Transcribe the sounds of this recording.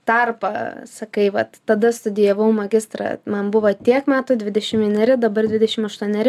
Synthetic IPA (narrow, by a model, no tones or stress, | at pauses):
t̪ɐrpɐsɐkɐɪʋɐt̪tɐd̪ɐst̪ʊd̪ʲɪjɛʋɐʊmɐɡʲɪst̪ɾɐ̰mɐnbʊʋɐt̪ʲiɛkmʲæːt̪ʊːd̪ʲʋʲɪd̪ʲɛʃʲɪmʋʲiɛnʲɛɾʲɪd̪ɐbɐrd̪ʲʋʲɪd̪ʲɛʃʲɪmɐʃt̪uɔnʲɛɾʲɪ